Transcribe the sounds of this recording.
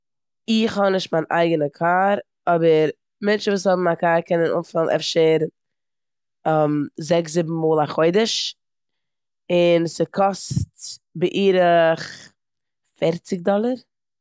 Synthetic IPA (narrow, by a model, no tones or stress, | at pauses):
ɪχhɔnɪʃtmanʔa̰ɪɡənəkʰaːɾ | ɔbəɾ | mɛnt͡ʃəvuːshɔbm̩akaːɾkɛnənʔṵːnfɪlˠnʔɛ̰fʃəɾ | ɛmzɛkszɪbm̩muːlˠaχoɪdəʃ | ɪnsɪkʰɔstbɪʔiːɾəχ | fɛɾt͡sɪk̚dɔlˠəɾ